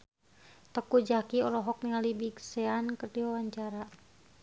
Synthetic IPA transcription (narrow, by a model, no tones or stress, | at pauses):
t̪əkud͡ʒakiɔɾɔɦɔk̚niŋalibiɡsɛankərdiwawaɲt͡ʃaɾa